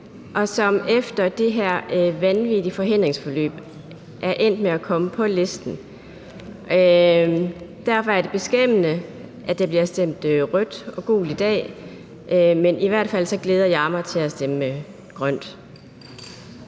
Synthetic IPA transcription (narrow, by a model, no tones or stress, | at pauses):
ʔɒ̽sɒ̽mefd̥ɐd̥e̝ɦæɐ̰ʋænʋidifɒ̽ɦe̝n̰d̥ʁeŋsfɒ̽lø̰ːb̥ | ʔæɐʔen̰d̥meækʰɒ̽məpʰɒ̽le̝sd̥n̩ | d̥æɐ̰fɒ̽æɐd̥e̝b̥e̝sɡ̥em̰ənə | ʔæd̥e̝b̥liɐsd̥em̰d̥ʁœd̥ɒ̽ɡ̥o̝̰ːlid̥ɛ̰ː | ʔmenʔiʋæɐ̰d̥fæl̰sɒ̽ɡ̥leːð̞ˠɐjɑ̈mɑ̈ɪt͡sʰe̝æsd̥eməme | ɡ̥ʁɶn̰d̥